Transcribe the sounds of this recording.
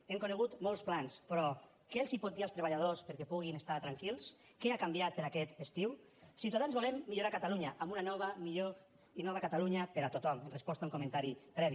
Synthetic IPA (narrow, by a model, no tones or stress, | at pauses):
emkoneɣ̞ut̪molˠsplanspɾɔ | kelsipɔt̪̚d̪ialst̪ɾeβaʎað̞ospeɾkɛpuɣ̞inest̪at̪ɾaŋkilˠs | keakambjat̪̚peɾakɛt̪est̪iw | siwt̪aðanzβolemːiʎoɾakat̪aluɲaʔambunanɔβamiʎo | inɔβakat̪aluɲapeɾat̪ot̪ɔmenrespɔst̪auŋkomẽnt̪aɾipɾɛβi